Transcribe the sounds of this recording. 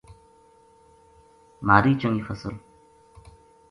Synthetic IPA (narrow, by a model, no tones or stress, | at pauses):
maːɾiːt͡ʃoŋifəsə̰l